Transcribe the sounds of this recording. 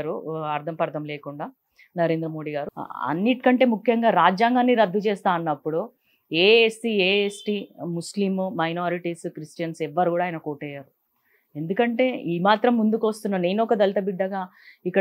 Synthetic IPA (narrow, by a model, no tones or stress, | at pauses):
ɾuɐɾd̪ʱɐmpɐɾd̪ʱɐmleːkuɳɖaː | nɐɾe̞ːnd̪ɾɐmo̞ːɽiːɡaːɾuɐ̰nːiʈi̥kɐɳʈe̞ːmukʰjɐŋɡaːɾaːd͡ʒjaːŋɡaːnːiɾɐd̪ʱːut͡ʃɛːst̪aːɐnːɐpːuɽu | eːesʈieːesʈiːmuslimmɐjnoːɾiʈiskɾisʈijɐnsɛʋːɐɾukuːɽaːjɐnɐkoːʈɛːjaːɾu | e̞nd̪ukɐɳʈe̞ːiːmaːt̪ɾɐmːund̪ukʋɐst̪unːaːmne̞ːnɔkɐd̪ɐlit̪ɐbiɖːɐɡaː | ikːɐ